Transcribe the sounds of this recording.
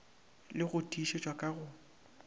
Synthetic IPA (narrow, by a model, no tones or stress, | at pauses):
lɪɣʊtʼiːʃet͡ʃʼwakʼaɣʊ